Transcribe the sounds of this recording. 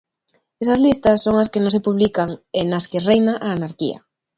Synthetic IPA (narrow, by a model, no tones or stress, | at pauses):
esɐzlist̪ɐsːoŋaskenõŋs̬epuβ̞likaŋenaskerejnaʔaːnaɾkḭɐ̰